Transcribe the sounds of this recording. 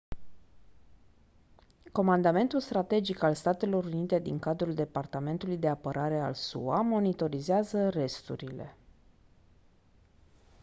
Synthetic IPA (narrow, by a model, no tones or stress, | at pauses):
ko̞mand̪ame̞nt̪ulst̪ɾat̪e̞d͡ʒikalst̪at̪e̞lo̞ɾunit̪e̞d̪iŋkad̪ɾuld̪e̞part̪ame̞nt̪ulujd̪e̞apəɾʔaɾe̞a̰lsṵamo̞nit̪o̞ɾizeazəre̞st̪ṵɾile̞̰